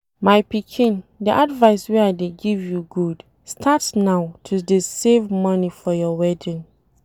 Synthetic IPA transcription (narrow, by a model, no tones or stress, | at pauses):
maɪpikʰĩndiʔadvaɪsweaɪdeɡivjuɡud | stʰatnaʊtʰudesevmʌnifɔjɔwɛdĩn